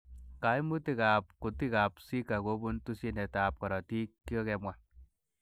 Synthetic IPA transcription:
ka˨jmu˦ti˦˨ka˨p̚ku˨ti˦ka˨psi˦ka˨ko˦bu˦ntu˦si˦nɛ˨ta˨p̚kɔ˨ɾɔ˨ti˦kːi˦ɔ˦kɛ˧mwa˨

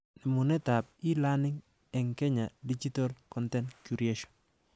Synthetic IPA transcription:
nɛ˨mʊ˨nɛ˦ta˨p̚ɪ˦la˦nɪ˦ŋ | ɛ˨ŋkɛ˦ɲa˨di˦t͡ʃi˦to˦lkɔ˦ntɛ˦nkju˨ɾie˦ʃɔ̥˨n

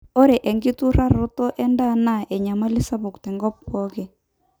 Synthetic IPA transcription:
o˦ɾe˨ʔɛ˨ŋɡɪ˦tu˦ɾa˦ɾo˦tɔ˦ʔɛ˦nda˦na˦˨ʔɛ˨ɲa˨ma˦li˦sa˦bʊ˨ktɛ˨ŋɡɔ˦p̚kɔ˦ke˨

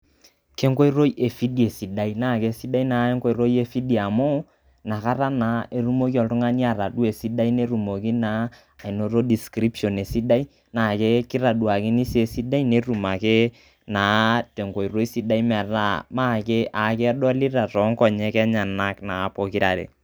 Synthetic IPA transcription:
ke˦ŋko˦i˦ɾo˦jʔe˨fi˦di˨e˨si˨da˦i˦na˦˨ke˦si˦da˦i˦na˨˦e˦ŋko˦i˦ɾo˦je˦fi˦di˨a˨mo˦ | na˨ka˦ɾa˦na˨e˨ɾu˦mo˦k̬i˦ɔ˨ltʊ˦ŋa˦ni˦a˨ɾa˨du˦e˨si˦da˦i˦ne˦ɾu˨mo˨ki˦naː˨˦˨ | i˨no˨ɾo˦di˨skɾi˦pʃɔ˨ne˨si˦da˦i˦ | na˨ke˦ki˦ɾa˨du˨a˨kɪ˦ni˦se˨si˦da˦i˦ne˦ɾu˨ma˨ke˦ | na˨te˨ŋko˨i˨ɾo˦i˦si˦da˦i˦mɛ˨ra˦ma˦˨ke˦ʔa˨kɛ˦ɛ˦dɔ˦li˦ɾa˨tɔ˨˦ŋ˦kɔ˨ɲɛ˦kɛ˦ɲa˨na˦kna˨˦po˦ki˦ɾa̰˨ɾḛ˨

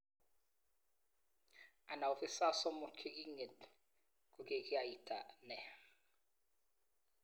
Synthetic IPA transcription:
a˨na˨u˨fi˦sa˦sɔ˦mu˨kʰi˦k̬ʼi˦ŋɛ˨t | kʼu˨k̬ʼɛ˦k̬ʼi˦a˨i˨tʰʼa˨nɛ˨

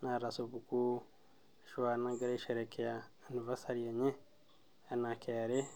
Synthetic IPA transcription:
na˨ɾasobu˨ku˦ | ʃwa˨na˦ɡa˦ɾe˦ʃeɾe˨ke˨ja | nu˨va˦sa˦ɾie˨ɲe˦ | a˨na˨kʰeɾe˦

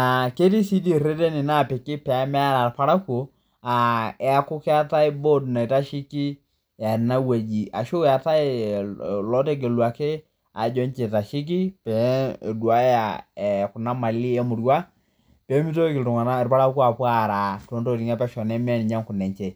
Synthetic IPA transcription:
na˨ke˦ti˦si˦di˦ɾe˦de˦ni˨na˦˨pɪ˨kɪ˦pɛ˨a˨˦mɛ˦a˦ɾa˨rpa˦ɾa˦ko˨ | a˨ɛ˨a˨kʊ˦kɪ˦a˦ta˦ɪ˦bo˦dna˨i˨ta˦ʃi˦ki˦ | a˨na˦we˨d͡ʒi˨ʔa˨ʃo˦ja˨ta˦ɪ˦ | lɔ˦te˦k̬e˨lwa˨ke˦ | a˨d͡ʒɔ˦nt͡ʃe˨ta˨ʃi˦k̬i˦pɛ˨˦˨du˨a˦ja˨ɛ˨kʊ˨na˦ma˨li˦ɛ˦mʊ˨ɾa˦ | pe˨˦mi˦to˦kɪ˨tʊ˨ŋa˨na˦ɛ˨ɾpa˦ɾa˦ku˦a˨pwa˦˨ɾa˨to˨˦nto˦ɾi˨ŋa˦pɛ˦ʃɔ˨nɛ˦m˦ɛ˦n˨ɲa˦ŋkʊ˨nɛ˨ɲt͡ʃe˨

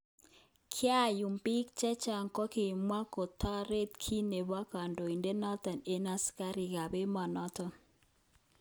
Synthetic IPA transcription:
kʰɪ˦a˦˨ju˨mpi˦k̚t͡ʃɛ˦t͡ʃa˨ŋkɔ˦ki˨mwa˦ko˨tʰa˦ɾe˦t̪kʰi˦ne˨ba˦ka˨ndo˨i˨nde˦nɔ˦t̪a˨ne˦na˦ska˦ɾi˨ka˨be˦ma˨nɔ˦tɔ˨n

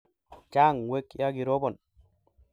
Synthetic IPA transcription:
t͡ʃa˦ŋwe˦kːi˦jaɡi˨ɾɔ˦bɔ˨n

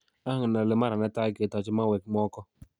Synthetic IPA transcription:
a˦a˦ŋ˨na˨lɪ˦ma˦ɾa˨nɛ˦ta˦kɪ˨tɔ˨t͡ʃma˦wɛ˨k̚mɔ˦kɔ˦

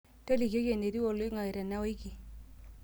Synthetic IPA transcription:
te˦li˨ko˦ke˨ne˨ɾi˦wɔ˨lo˦ŋa˨i˨ɾa˨na˦we˦ki˨

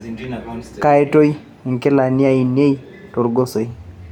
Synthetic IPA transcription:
ka˨e˦to˦j | ŋke˦la˨ni˦a˦˨i˨n˦e˦i˦ | to˨ɾɡo˦so˨i˦

